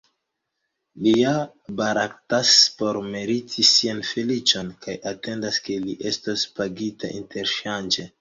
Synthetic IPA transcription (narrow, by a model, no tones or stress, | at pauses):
lia | baɾaktaspo̞ɾme̞ɾitʰisianfelit͡ʃo̞nkajʔate̞ndaske̞liʔe̞staspaɡitʰaʔḭntʰe̞ɾʃand͡ʒe̞